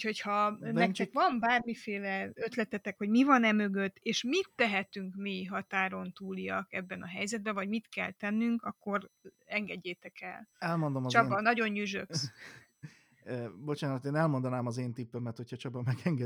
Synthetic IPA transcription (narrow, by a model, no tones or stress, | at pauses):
ucho̞chɒnɛktɛkʋvɒmbaːrmifeːlɛø̞t̪lɛt̪ɛt̪ɛkho̞ɟmivɒnɛmø̞ɡø̞t̪ːeːʃmit̪ːɛɦɛt̪yŋkmiɦɒt̪aːɾo̞nt̪uːliɒkɛbːɛnɒɦɛjzɛd̪bɛvɒɟmit̪kɛ̰lt̪ɛnːyŋkɒkːo̞r | ɛŋɡɛɟːeːt̪ɛkɛ̰lɛlmo̞nd̪omt͡ʃɒbɒnɒɟo̞ɲːyʒøks | bo̞t͡ʃaːnɒt̪eːnɛlmo̞nd̪ɒnaːmɒzeːnt̪ipːømɛt̪ho̞cʰɒt͡ʃɒbɒmɛɡɛŋɡɛ